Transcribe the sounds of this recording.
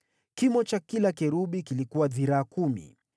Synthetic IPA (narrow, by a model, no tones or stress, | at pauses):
kimɔt͡ʃakilakɛɾuɓikilikuwaðiɾaːkumḭ